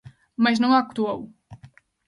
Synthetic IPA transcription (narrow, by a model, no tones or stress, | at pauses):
mɐʒnɐ̃w̃aku̥t̪uow